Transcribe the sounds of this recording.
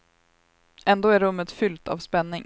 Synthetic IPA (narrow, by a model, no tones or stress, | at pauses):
ʔɛnd̪oːæɾɵmːət̪fʏlt̪ʰa̰ːvspɛnːɪŋ